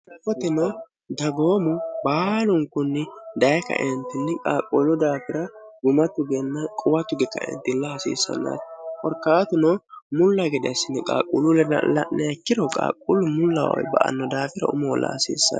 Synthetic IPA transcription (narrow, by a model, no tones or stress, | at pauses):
ʔɐfɔt̪ɪnɔ | d̪ɐɡoːmʊbaːlʊŋkʊnːɪd̪ɐjɛkːɐ̰ʔɛnt̪ːɪnːɛkʼa̰ːkʼːulʊd̪aːfɪɾɐɡʊmɐt̪ːʊɡɛnːɐkʼʊwɐt̪ːʊɡɛkːɐ̰ɛ̰nt̪ːɪnːɐhɐsḭːsːɐ̰nːa̰ːt̪kʼɔɾkːaːt̪ʊnɔmʊlːɐɡɛd̪ɪɐsːɪnːɛkʼa̰ːkʼːuːlʊlɛnɐ̰lɐ̰ʔnːʔɛɛkːɪɾɔkʼa̰ːkʼːulːʊmʊlːɐ̰wɔ̰jbɐ̰ʔɐ̰nːɔd̪aːfɪɾɐ̰ʊ̰mɔwɔlːɐ̰hɐsḭːsːɐ̰